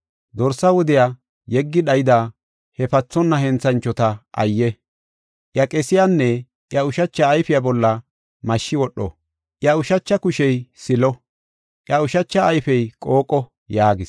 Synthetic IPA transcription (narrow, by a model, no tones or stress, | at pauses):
d̪ɔɾsɐwɔd̪ɪja | jɛɡːɪɗɐjɪd̪aː | hɛfɐt͡sːɔnːɐhɛnt͡sːɐnt͡ʃːɔt̪ɐʔɐ̰jːɛ | ʔjɐkʼɛsɪjanːɛ | ʔjɐʊʃɐt͡ʃːɐːjfɪjabɔlːɐ | mɐʃːɪwɔɗːɔ̰ | ʔjɐʊʃɐt͡ʃːɐkʊʃɛjsɪlɔ | ʔjɐʊʃɐt͡ʃːɐːjfɛjkʼo̞ːkʼːɔ | jaːɡɪs